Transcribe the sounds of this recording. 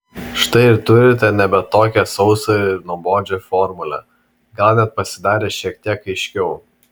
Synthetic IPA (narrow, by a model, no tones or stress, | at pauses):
ʃt̪ɐɪɪɾt̪ʊɾʲɪt̪ʲɛnʲɛbʲɛt̪t̪ːoːkʲɛsɒʊsoɪɾnuɔboːd͡ʒʲofɔɾmʊlʲɛ̰ | ɡɑlʲˠnʲɛt̪̚pɐsʲɪd̪ɑːɾʲeːʃʲiɛk̚t̪ʲiɛkɐɪʃʲkʲɛʊ